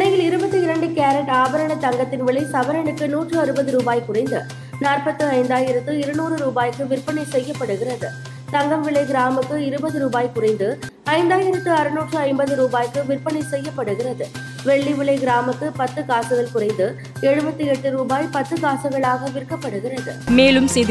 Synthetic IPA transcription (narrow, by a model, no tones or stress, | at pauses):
ɐjɪɭɪɾɯbɐt̪ːɯɪɾɐɳɖɯkaːɾɐʈaːbɐɾɐɳɐt̪ɐŋɡɐt̪ːɪnʋɪɭɐɪsɐʋɐɾɐɳɯkːɯnuːʈrɯɐɾɯbɐðɯɾuːbaːjkʊrɐɪnd̪ɯ | naːrpɐt̪ːɯɐɪnd̪aːjɪɾɐt̪ːɯɪɾɐnuːrɯɾuːbaːjkːɯʋɪrpɐɳɐɪsɛjːɐpːɐɽɯɣɪrɐðɯ | t̪ɐŋɡɐmʋɪɭɐɪɡɪɾaːmɯkːɯɪɾɯbɐðɯɾuːbaːjkʊrɐɪnd̪ɯ | ɐɪnd̪aːjɪɾɐt̪ːɯɐɾɯnuːʈrɯɐɪmbɐðɯɾuːbaːjkːɯʋɪrpɐɳɐɪsɛjːɐpːɐɽɯɣɪrɐðɯ | ʋɛɭːiʋɪɭɐɪɡɪɾaːmɯkːɯpɐt̪ːɯkaːsɯɣɐɭkʊrɐɪnd̪ɯ | ɛɻɯbɐt̪ːɯɛʈːɯɾuːbaːjpɐt̪ːɯkaːsɐɣɐɭaːɣɐʋɪrkːɐpːɐɽɯɣɪrɐðɯmeːlɯmsɛ